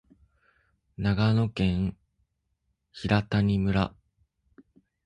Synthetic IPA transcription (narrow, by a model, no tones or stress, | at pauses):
naɡano̞kẽ̞ɰ | çiɾat̪aɲ̟imɯ̟ɾa